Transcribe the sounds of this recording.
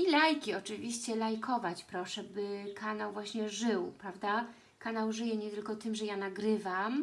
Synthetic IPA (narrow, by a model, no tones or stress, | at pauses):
ilajkʲiɔt͡ʂɘvʲiɕt͡ɕɛlajkʰɔvat͡ɕpɾɔʂɛbɘkʰanawvwaɕɲɛʐɘwpɾavd̪a | kanawʐɘjɛɲɛt̪ɘlkɔt̪ɘmʐɛjanaɡɾɘvam